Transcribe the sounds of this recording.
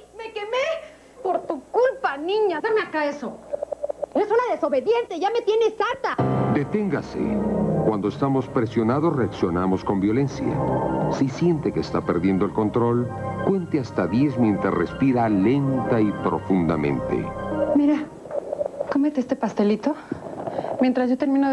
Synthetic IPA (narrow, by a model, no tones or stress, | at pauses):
mekeme | poɾt̪ukulpanĩɲaðaɾmeakaeso | esunaðeso̞βe̞ðjent̪eʝame̞t̪jene̞saɾt̪ad̪e̞t̪e̞ŋɡasḛkwand̪oest̪amo̞spɾesjo̞nað̞o̞sre̞aksjo̞namo̞sko̞mbjo̞le̞nsja̰sisje̞nt̪e̞keːst̪ape̞ɾðje̞nd̪oelko̞nt̪ɾo̞lkwe̞nt̪east̪aðje̞zmje̞nt̪ɾazrḛspiɾale̞nt̪aipɾo̞̰fund̪amẽ̞̰nt̪ḛmiɾa | komet̪eest̪epast̪e̞lit̪o̞ | mjent̪ɾazʝot̪e̞ɾmĩno